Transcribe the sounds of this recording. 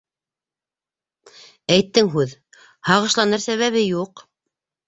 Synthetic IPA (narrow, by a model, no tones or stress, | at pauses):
æjt̪ːɘŋɦʉð | hɑʁɤ̆ʃlˠɑnɤɾsæβæβɘjuq